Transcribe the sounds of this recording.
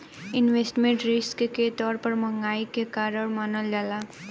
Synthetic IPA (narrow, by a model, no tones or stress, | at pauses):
ɪnʋeːsʈmẽɳʈɾɪskket̪ɔːɾpəɾmə̃ŋɡaːikekaːɾəɽmaːnəld͡ʒaːlaː